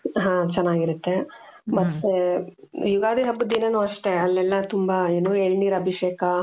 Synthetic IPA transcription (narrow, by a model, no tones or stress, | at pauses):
ɦãːt͡ʃɐnːaːɡiɾut̪ːe | bɐs | juɡaːd̪iɦɐbːud̪inɐnuːɐʂʈeɐlːɛlːɐt̪umbɐeːnoːeːɭniːɾɐbʱiʂeːkɐ